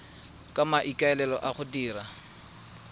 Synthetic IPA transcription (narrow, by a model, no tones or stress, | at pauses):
kʼamaʔikʼaɛlɛlɔʔaχʊdiːra